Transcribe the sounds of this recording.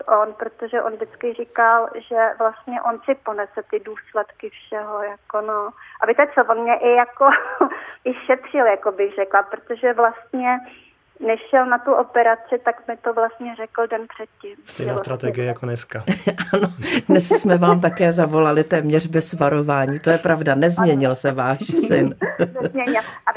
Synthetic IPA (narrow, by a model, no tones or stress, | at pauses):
t̪ʔonpɾot̪oʒɛʔonvdɪt͡skɪrikalʒɛvlast̪ɲɛʔonsɪponɛt͡sɛt̪ɪduːslɛt̪kɪfʃɛɦojakonoʔabɪt̪ɛt͡sovonmɲɛʔɪjako | ʔɪʃɛt̪r̝̥ɪljakobɪxrɛklapɾot̪oʒɛvlast̪̚ɲɛ | nɛʃʃɛlnat̪uʔopɛɾat͡sɪt̪akmɪt̪ovlast̪ɲɛrɛkl̩dɛnpr̥ɛt̪̚cɪmst̪ɛ̰jnnaːst̪ɾat̪ɛɡɪjɛjakonɛskaʔano̞dnɛssmɛvaːmt̪̬akɛːzavo̞lalɪt̪ɛːmɲɛr̝bɛsvaɾo̞vaːɲiːt̪o̞jɛpɾavdanɛzmɲɛɲɪlsɛvaːʃsɪnɲɛɲɪlʔa